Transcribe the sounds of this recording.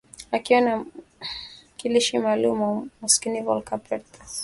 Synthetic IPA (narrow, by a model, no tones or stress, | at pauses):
akiwɔna | kiliʃimaːlumamuskinivɔlkapɛt̪